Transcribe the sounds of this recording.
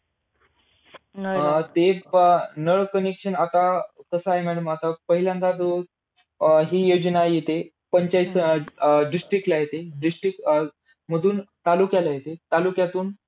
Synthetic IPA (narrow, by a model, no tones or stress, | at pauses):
t̪e | nəɭkənekʂənat̪akəsəaɦemæɽəmat̪apəɦiljãnt̪at̪o | ɦiːjod͡ʑənajet̪e | pəɲt͡ɕajs | ɖisʈɾik̚ʈlaɦjet̪eɖisʈɾik̚ʈ | m̤əd̪uːnt̪alukjalajet̪et̪alukjat̪uːn